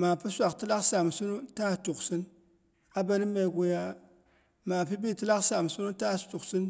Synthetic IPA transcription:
ma˨pi˦sʷa˨kti˦la˦ksa˨m˨su˦nu˦ta˦˨tu˨ksi˦n | a˦ba˦ni˦mːa˨ɡo˨ja˦ | ma˨pi˦bi˦ti˦la˦ksa˨m˨su˦nu˦ta˦˨stu˨ksi˦n

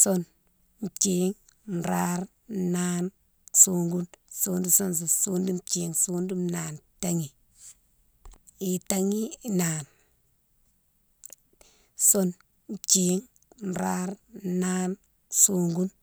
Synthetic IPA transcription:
so˦n | n˨t͡ʃi˦ŋ | n̩˨ɾa˦ɾː | a˦n | suː˦ŋɡu˦nsuː˦ndu˦so˦ns̬o˨su˦ndi˦mt͡ʃi˨ŋsu˦ndu˦mna˨nta˦ŋi˨ | i˨ta˦ŋi˦˨na˨n | so˦n | n˨t͡ʃi˦ŋ | n̩˨ɾa˦ɾna˦n | suː˨˦ŋɡu˦n

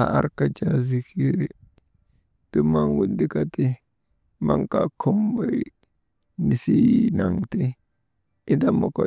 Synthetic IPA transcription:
a˨a̰˦ɾka˦d͡ʒa˨zi˨ki˦ɾ | ti˦ma˦nwu˦ndi˦ka˦ti˦ | ma̰˦ŋka̰˨kʰo˦mba˨ | ni˨si˦na˨ŋti˦ | i˦da˦mo˨ko̰˨

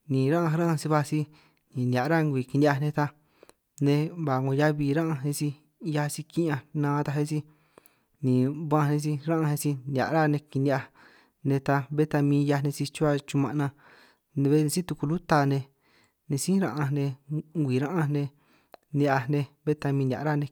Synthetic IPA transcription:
nĩ˨ɾã˦ʔã˧ɾã˦ã˧si˧βa˧si˧ | nĩ˨nja˨ʔɾa˦ŋɡʷi˨ki˧ni˧a˧nẽ˧t̪a˧ | nẽ˧βa˨ŋõ˧ja˦βi˧ɾã˦ʔã˧nẽ˧si˧ | ja˧si˧ki˦ʔã˧nãː˧t̪a˧ɦe˦si˧ | nĩ˨βã˦˧nẽ˧s̬i˧ɾã˦ʔã˧e˧si˧nʲ˨a̰˨ʔɾa˦nẽ˧ki˧ndi˧a˧ | nẽ˧t̪a˧βe˦t̪a˧mĩː˧ja˧nẽ˧si˧t͡ʃu˦a˧t͡ʃu˧mã˧ʔnã˧ | nẽ˧βe˦n˧si˦t̪u˧ku˧lu˦t̪a˧˨nẽ˧ | nẽ˧sĩ˦ɾã˧ʔã˧nẽ˧ŋɡʷi˨ɾã˦ʔã˧nẽ˧ | ni˧ʔa˧nẽ˧βe˦t̪a˧mĩ˧n˨ã̰˨ɾa˦˨nẽ˧

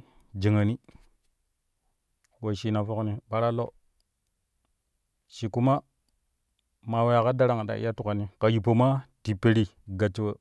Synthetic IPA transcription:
d͡ʒi˨ŋa˨ni˦ | wo˨ʃi˦na˨fo˦kni˨ɓa˦ɾa˦lo˦ | ʃi˨ku˦ma˦ | ma˨we˦ja˨ka˦da˦ɾa˦ŋa˨ɗa̰˨ḭ˦a˦tu˨ka˨ni˦ka˨ji˨po˨ma˦ti˨pe˦ɾi˦ | ɡa˨t͡ʃːi˦wə˦

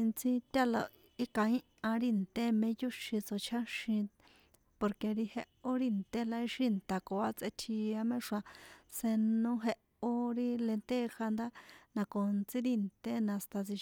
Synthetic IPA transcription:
nt͡sĩ˦tʲa˦la˧ | i˦kã˧ĩ˦ | ã˧ɾi˧nt̪e˦mẽ˧˦ju˦ʃĩ˧t͡so˨t͡ʃʰa˦ʃĩ˧ | po˧ɾke˧ɾi˧he˧ʔo˦ɾi˧nt̪e˦la˧i˧ʃi˦nt̪a˨ko˨a˦t͡se˧t̪ʰi˧a˧mẽ˦ʂã˧se˧nõ˧ɦe˧ | o˦ɾi˦le˧nt̪e˦˧xa˧nd̪a˦nã˧ko˨nt͡sĩ˦ɾi˦˧nt̪e˦nã˧˨st̪a˧t͡si˧

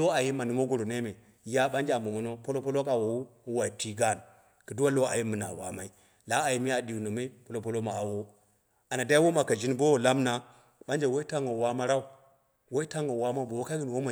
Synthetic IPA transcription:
o˦a˨ji˦ma˨nu˨mo˦ɡo˨ɾo˨ne˦me˨ | ja˦ɓa˦nd͡ʒa˨mo˨mo˨no˦po˦lo˦po˦lo˦ka˨wo˨wu˦u˦wa˨i˨ti˦ɡa˦˨n | ki˨du˦wa˦lo˦a˨ji˦mɨ˨na̰˨wa̰˨ma˨˦i˦ | la˦a˨ji˦mi˦a˨di˨wno˨me˦po˦lo˦p̬o˦lo˦ma˨a˨wo˦ | a˨na˨da˦i˦wo˦ma˨ka˨d͡ʒi˦nbo˦wo˨la˦mna˨ | ɓa˦nd͡ʒe˨wo˦i˦ta˦ŋo˨wa˦ma˦ɾa˦u˨ | wo˦i˦ta˦ŋo˨wa˦ma˦bo˨wo˦ka˦ɡi˦n˨wo˦ma˨

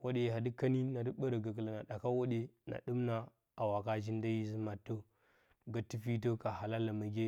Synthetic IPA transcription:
wo˦ɗe˨ɦa˨di˦ka˦ni˦na˨di˦ɓə˦ɾa˨ɡa˨kə˨la˨na˨ɗa˨ka˦wo˦ɗe˦na̰˨ɗu˦mna˨ | a˨wa˨ka˦d͡ʒi˦n˦da˦ji˦zi˦ma˨tːo˦ | ɡa˦tːi˦fi˦t̬o˦ka˨ha˨la˦la˨ma˨ɡʲe˦

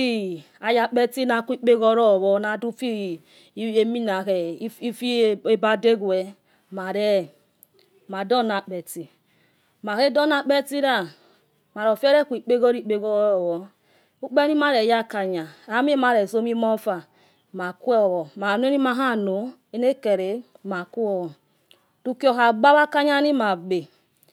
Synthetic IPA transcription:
i˦ | a˨ja˨k͡pe˦ti˦na˨kʷi˦k͡pe˦ɡo˦ɾɔ˦˨wɔ˨˦na˨du˦fi˦ | e˦mi˦na˨ke˨˦i˦fi˦e˦ba˦de˦ɡu˨ɛ˨ | ma˨ɾɛ˦ | ma˨do˦˨na˨k͡pe˨ti˨ | ma˨ke˦do˦na˨k͡pe˦ti˦ɾa˦ | ma˨ɾo˨fe˦ɾe˦ku˨i˨k͡pe˦ɡo˦ɾi˨k͡pe˦ɡo˦˨wɔ˦ | u˦k͡pe˦ni˦ma˦ɾe˨ja˦ka˨ɲa˨a˦m˦i˦ma˨ɾe˨so˦mi˦mo˦fa˨ | ma˨ku˦e˦ɔ˨wɔ˨ma˨n˦e˦ni˦ma˨ɦa˦˨no˨˦ | e˦ne˦ke˨ɾe˨ | ma˨ku˦ɔ˦˨ɔ˨ | tu˦ki˦o˨ɦa˨ɡ͡ba˦βa˦ka˦ɲa˦ni˦ma˨ɡ͡be˨

